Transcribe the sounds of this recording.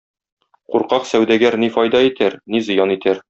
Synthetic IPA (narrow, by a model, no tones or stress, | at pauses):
quɾqɑqsæwd̪æɡæɾnifɒjd̪ɑit̪æɾnizɤ̆jɑnit̪æɾ